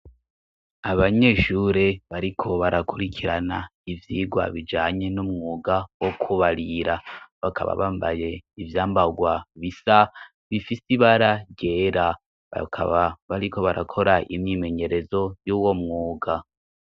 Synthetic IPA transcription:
aβaɲe̞ːʃuɾe̞βaɾikʰo̞βaɾakuɾikʰiɾanaivjiːɡwa̰βid͡ʒaːɲe̞numŋuːɡawokʰuβaɾiɾaβakʰa̰βa̰βaːmba̰je̞ivjaːmbaɡwaβisa | βifisiβaɾaɟeɾa | a̰kββaɾiko̞βaɾakʰo̞ɾaʔimɲiːme̞ɲe̞ɾe̞zo̞juːwo̞mŋuːɡa

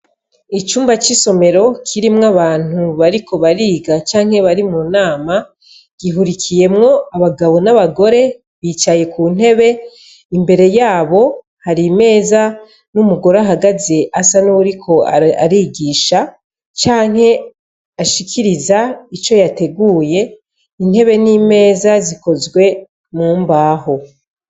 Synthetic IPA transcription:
it͡ʃuːmbat͡ʃiso̞me̞ɾo̞kʰiɾimŋaβaːn̥uβaɾikʰo̞βaɾiːɡat͡ʃaːŋ̥he̞βaɾimunaːma | ɡ̥iɦuɾikʰije̞mŋo̞aβaɡaβo̞naβaɡo̞ɾe̞ | βiːt͡ʃaje̞kuːn̥e̞βe̞ | imbe̞ɾe̞jaːβo̞ | haɾime̞ːza | numuɡo̞ɾaɦaɡazeʔasanuβuɾikʰo̞a̰ɾiɡiːʃa | t͡ʃaːŋɦhe̞ | aʃikʰiɾizait͡ʃo̞jate̞ɡuːje̞ | in̥he̞βe̞niːme̞ːzaziko̞zɡwe̞ | muːmbaːho̞

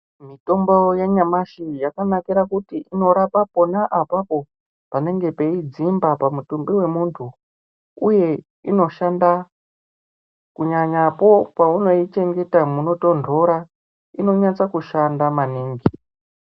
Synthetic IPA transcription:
mito̞mbo̞jeɲamaʃijakanakiɾakutiʔino̞ɾapapo̞naʔapapo̞ | pane̞ŋɡe̞pe̞id͡zimbapamutumbiwe̞muntʰu | uje̞ | ino̞ʃanda | kuɲaɲapo̞pauno̞it͡ʃe̞ŋɡe̞tamuno̞to̞ntʰo̞ɾa | ino̞ɲat͡sakuʃandamaniːŋɡi

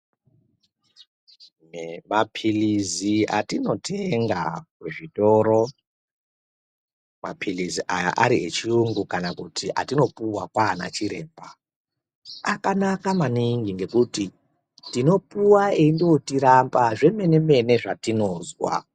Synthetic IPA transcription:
mapʰilizia̰tino̞tʰeŋɡa̰keʐito̞ɾo̞ | ma̰pʰiliziʔaja̰ʔaɾiet͡ʃiuŋɡukanakutʰiʔa̰tino̞puwakwaːna̰t͡ʃiɾe̞̰ːmba | akanakamaniŋɡiŋɡe̞kuti | tino̞puwaendewotiɾambaʐe̞me̞ne̞me̞ne̞ʐatino̞ːzwa̰

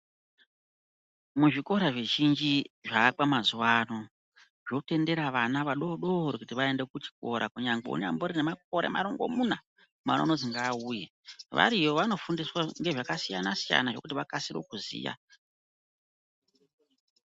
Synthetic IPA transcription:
muʐiko̞ɾaʐeʒind͡ʒiʐakamazuwano | ʐo̞te̞nde̞ɾaʋanaʋaɗo̞ɗo̞oɾikutiʋae̞nde̞kut͡ʃi̥ko̞ɾʔakuɲaŋɡeṵɲamboɾinemak̚o̞ɾe̞̰ma̰ɾoŋɡo̞̰muna | mano̰noziŋɡaːuːje | ʋa̰ɾiʋoʋano̞fundiswaŋɡe̞ʐakasijanasija̰naʐo̞kutiʋakasiɾo̰kuzḭːja̰

